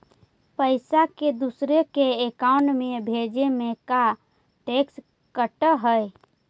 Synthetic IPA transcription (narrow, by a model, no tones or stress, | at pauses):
pəɪsaked̪usɾekeekaʊɳʈmebʱed͡ʒemeka | ʈeks | kəʈəɦəj